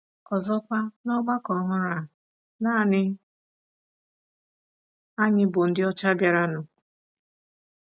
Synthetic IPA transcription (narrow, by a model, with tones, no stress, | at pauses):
ɔ˨zɔ˦kʷa˦nɔ˦ɡ͡ba˦kɔ˨ɦʊ˦ɾa˨ | na˦˨nɪ˦ | a˦ɲɪ˦bʊ˨n̩˦dɪ˦ɔ˦t͡ʃa˦bja˨ɾa˦nʊ˨